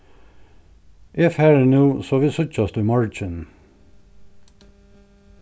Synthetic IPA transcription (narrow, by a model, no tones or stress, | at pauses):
ʔɪfhæːɹnuːsoːʋɪsʊt͡ʃɑsd̪ʉmɑɹt͡ʃən